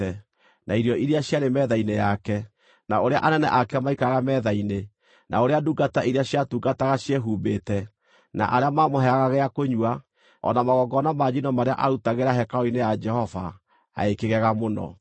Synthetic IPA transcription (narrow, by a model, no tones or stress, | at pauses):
ɛ | nʔaiɾjɔʔiɾiaɕjaɾemɛðainejakɛ | naoɾea̰ʔanɛnɛ̰ʔakɛamaikaɣamɛðaine | nʔa̰oɾeaduɡataiɾiaɕjatuɡataɣaɕjeɦuːmbeːtɛ | na̰ʔaɾeamamoɦɛaɣaɣɛakoɲuwa | ɔ̰namaɣɔɡɔnamad͡ʒinɔmaɾea̰ʔaɾutaɣeɾaɦɛkaɔinejad͡ʒɛhɔva̰ | a̰ekeɣɛɣamonɔ̰